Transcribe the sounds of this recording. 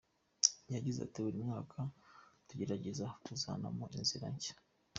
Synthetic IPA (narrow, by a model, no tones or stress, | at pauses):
jaɟiza̰tiβuɾimŋaːkʰatuɟe̞ɾaɟe̞zatuza̰na̰moʔinziɾa̰ɲɟe̥